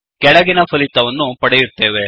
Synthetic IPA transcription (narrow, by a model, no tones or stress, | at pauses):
kɛɽɐɡinɐpʰɐlit̪ːɐʋɐnːupɐɽejiɾt̪ːe̞ːʋe